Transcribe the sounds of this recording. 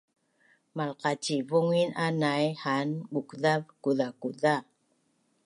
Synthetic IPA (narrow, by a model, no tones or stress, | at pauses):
malqat͡ʃivuŋinanajhanbukðavkuðakuða